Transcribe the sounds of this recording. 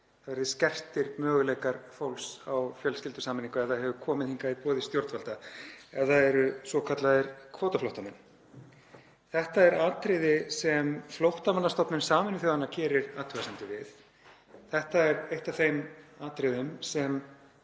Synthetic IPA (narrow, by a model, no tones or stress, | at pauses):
θavɛɾðɪscɛr̥t̪ɪɾmœːɣʏlɛjkaɾ̥fowlsawfjœlscɪlt̪ʏ̥saːmɪniŋkaɛðaðɦɛvʏkʰɔːmɪðhiŋkaɪpɔːðɪst̪jowɾt̪valt̪aɛðaðɛɾʏsɔkʰat̪laðɪɾkʰvɔːt̪aflowht̪amɛnː | θɛht̪aɛɾaːt̪ɾɪðɪsɛmflowht̪amanːast̪ɔpnɪnsaːmɪnɪθjowɣanːacʰɛːɾɪɾaːt̪ʰʏɣasɛnt̪ɪvɪθ | θɛht̪aɛɾejht̪aθejmaːt̪ɾɪðɪmsɛm